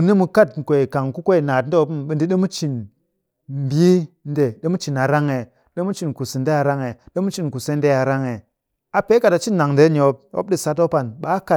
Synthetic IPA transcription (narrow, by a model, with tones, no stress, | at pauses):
u˨ni˦mu˨˧ka˦t̩˨kʷe˨ka˨ŋku˦kʷo˦i˨naː˨t̩˦de˦pu˦mɓi˨ndi˦ɗe˦mu˦t͡ʃi˨n | m̩˨bi˦n˦de˨ɗe˦mu˦t͡ʃi˨na˨ɾa˦ŋe˨ | ɗe˦mu˦t͡ʃi˨nku˨si˨n˦de˦a˨ɾa˦ŋe˨ɗe˦mu˦t͡ʃi˨nku˨se˦n˦de˦˨a˨ɾa˦ŋe˨ | a˨pe˦ka˨ta˨t͡ʃi˦nːa˨ŋnde˨˦ɲ˨o˨˦p̚o̰˦b̚ɗi˦sa˨˦t̬o˦pa˨nɓa˦ka˦˨